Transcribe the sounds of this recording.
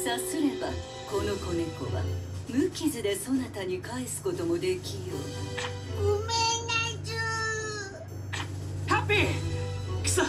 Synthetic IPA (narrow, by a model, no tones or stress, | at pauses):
sasɨɾe̞ba̰ | ko̞no̞ko̞neko̞βa̰mɯ̟kʲizɨd̪e̞so̞nat̪aɲ̟ikaisɨ̥ko̞t̪o̞mo̞d̪e̞kʲijoːɡomenad͡ʑɨ | hape | ks